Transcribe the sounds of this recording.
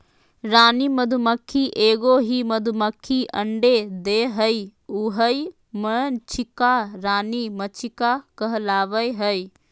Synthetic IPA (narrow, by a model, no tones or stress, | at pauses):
ɾaːniməd̪ʱuməkʰːiʔeːɡoɦimɐd̪ʱuməkʰːiʔə̃ɳɖed̪eːɦəiʊɦəi | mət͡ʃʰɪkaɾaːnimət͡ʃʰɪkakəɦəlaːʋəjɦəi